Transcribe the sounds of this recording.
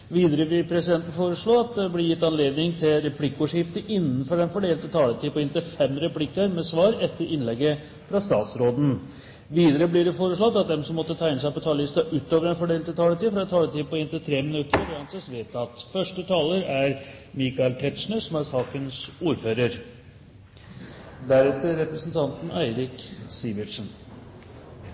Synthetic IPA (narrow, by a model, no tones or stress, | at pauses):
ʋiːd̪əɾəʋɪlpʰɾɛsɪd̪ɛnt̪n̩foːɾəʂɭoːɑt̪̚d̪ɛblɪɾjɪt̪ːɑnleːd̪nɪŋt̪ʰɪlɾɛpʰlɪkːəuːʂɪft̪əʔɪnːənfɔɾɛnfɔɖeːlt̪ət̪ʰɑːlət̪ʰiːpɔɪnt̪əfɛmːɾɛpʰlɪkːɑɾmɛsʋɑːɾɛt̪ːəɾʔɪnlɛɡːə | fɾɑst̪ɑːt̪sɾoːd̪n̩ | ʋiːd̪əɾəblɪɖɛfoːɾəʂɭɔt̪ːɑt̪̚d̪ɛmsɔmːɔt̪ːət̪ʰɑːɪns̬æɪpɔt̪ʰɑːləɪst̪ɑʔʉːt̪ːoːʋəɾɛnfɔɖeːlt̪ɪlt̪ʰɑːlət̪iːfɾɑɛt̪t̪ʰɑːlət̪ʰiːpɔɪnt̪ət̪ʰɾeːmɪnʉt̪əɾɾɔhɑnsɛsʋeːt̪ɑt̪fœʂʈət̪ʰɑːləɾæɾ | mɪkɑɪlt̪ʰɛt̪ʂɳəsɔmæɾsɑːkənsuːɾføːɾəɾ | d̪æɾɛt̪ːəɾːɛpɾəsnt̪ʰɑnt̪n̩æɪɾɪksiːʋɪʈʂən